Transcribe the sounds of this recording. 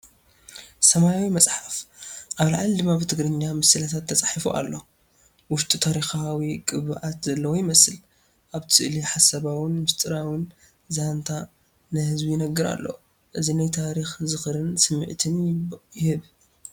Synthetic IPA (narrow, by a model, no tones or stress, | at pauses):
sɐmajawimɐt͡sʼħafʔaβlaʕald̪ɨmːabɨt̪ʰɨɡɾɨɲːamɨsɨlɐt̪ʰat̪ʰːɐt͡sʼaħifuʔa̰lːo̞ | wʊʃt̪ʼit̪ʰaɾixawikʼɨβɨʔat̪zɐlːɐwojɪmɐsɨl | ʔaβt̪ʰɨʔliħasɐβawɨnmɨst̪ʼɨɾawɨn | zant̪ʰa | nɨhɨzbujɪnɐɡːɨɾa̰lːo̞̰ | ʔɨzinajt̪ʰaɾixzɨxɨɾɨnsɨmːɨ̰ʕt̪ʰɨnjjɪhɨβ